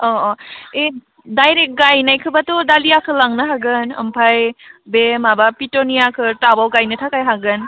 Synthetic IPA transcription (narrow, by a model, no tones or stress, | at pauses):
ɔɔe | dajɾek̚ɡajnajkʰɯbatɔdalijakʰɯlaŋnɯɦaɡɯnə̰mpʰajbemabapitonijakʰɯtabawɡajnɯtʰakajɦaɡɯn